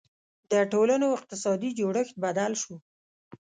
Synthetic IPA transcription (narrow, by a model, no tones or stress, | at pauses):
d̪əʈolanoɪq̚t̪ɪsɑd̪id͡ʒoɽəxt̪̚bad̪alʃu